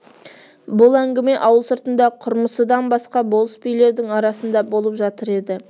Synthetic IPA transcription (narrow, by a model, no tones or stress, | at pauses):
bʊlˠæŋɡʲɪme̞ʔɑwəlˠsəɾt̪ənd̪ɑqʰʊɾməsəd̪ɑnbɑsqɑbo̞lˠəspijle̞ɾd̪ɪŋɑɾɑsənd̪ɑbo̞lˠəpʒɑt̪əɾe̞d̪ɪ